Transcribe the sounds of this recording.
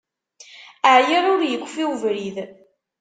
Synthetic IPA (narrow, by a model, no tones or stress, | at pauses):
əʕjiɾˤʊɾjəkʷːfiwvɾið